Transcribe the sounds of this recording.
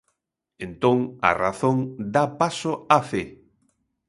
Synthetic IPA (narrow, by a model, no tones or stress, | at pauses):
ẽnt̪õŋa̰ra̰θõŋd̪apasoafe